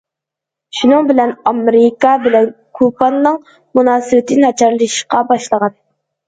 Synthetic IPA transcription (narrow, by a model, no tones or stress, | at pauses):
ʃunɨŋbɪlɛnɑmɾikɑbɪlɛn | kʰupɑnːɨŋ | munɑːsɨwɪt̪ʰɪnɑt͡ʃʰɑɾlˠɨʃqɑbɑʃlˠəʁɑn